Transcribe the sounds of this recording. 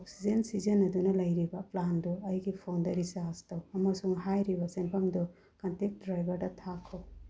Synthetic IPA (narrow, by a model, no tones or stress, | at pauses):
ɔk̚sizensizɐnɐd̪unɐlɐjɾibaplandɔɐjɡipʰandɐɾisaastɐwɐmasuŋɦajɾibasenpʰaŋdɔ | kɐntek̚dɾajbɐɾdat̪ʰakʰɔw